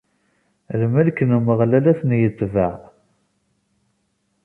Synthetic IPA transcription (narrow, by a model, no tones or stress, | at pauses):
lmælkənəməʁlælæθnjət̪ˤːvaʕ